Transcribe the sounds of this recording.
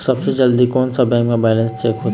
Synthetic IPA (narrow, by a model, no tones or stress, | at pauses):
sɐbsed͡ʒɐld̪ikɔːnsɐbɛ̃ːkmẽbɛːlə̃nst͡ʃɛːkɦoːt̪